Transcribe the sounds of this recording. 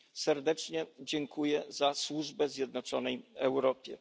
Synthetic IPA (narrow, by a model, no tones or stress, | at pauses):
sɛɾd̪ɛt͡ʂɲɛd͡ʑɛŋkʰujɛzaswuʐbɛzʲjɛd̪̚nɔt͡ʂɔnɛjɛwɾɔpʲjɛ